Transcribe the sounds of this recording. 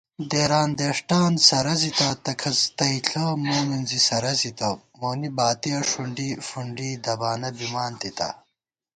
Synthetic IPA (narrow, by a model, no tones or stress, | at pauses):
d̪eːɾaːnd̪eːʂʈaːnsɐɾɐzit̪ɐt̪ɐkʰɐzt̪ɐiɬʰɐmoːminzisɐɾɐzit̪ɐ | moːnibaːt̪iɐʂuɳɖifuɳɖiːd̪ɐbaːnɐbimaːnt̪it̪ɐ̰